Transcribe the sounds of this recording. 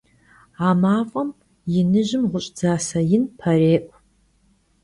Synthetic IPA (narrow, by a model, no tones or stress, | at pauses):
aːmaːfʷʼɐm | jɪnɨʑɪmʁʷʊɕʼd͡zaːsɐjɪnpʰɐreːʔʷʼ